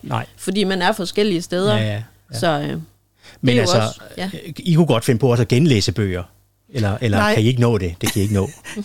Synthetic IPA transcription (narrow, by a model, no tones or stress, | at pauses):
nɑɪ̰fɒ̽d̥ḭːmænæɐfɒ̽sɡ̥el̰iəsd̥eːð̞ˠɐ | sɒ̽ | mennælss | ikʰuɡ̥ɒ̽d̥fe̝nəpʰɒ̽ɒ̽sɒɡ̥enlḛːsəb̥ø̰ːɐ | elɐʔelɐkʰæie̝ɡ̥ənɔ̰̽ːd̥e̝d̥e̝kʰæjie̝ɡ̥ənɔ̰̽ː